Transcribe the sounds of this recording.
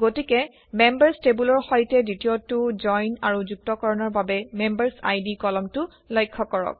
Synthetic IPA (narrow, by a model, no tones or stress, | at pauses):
ɡotikɛ | membaɹstebulɔɹxɔjtɛditijotʊd͡ʒɔjnaɹuzuk̚tɔkɔɹɔnɔɹbabɛmembaɹsa̰jdikɔlɔmtʊ | lɔjkʰːɔkɔɹɔ̰k̚